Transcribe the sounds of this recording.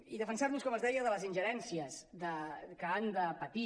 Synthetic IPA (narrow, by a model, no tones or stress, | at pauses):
iðəfənsarnuskɔməzðɛjəðələzinʲʒəɾɛnsiəsðəkəand̪əpət̪i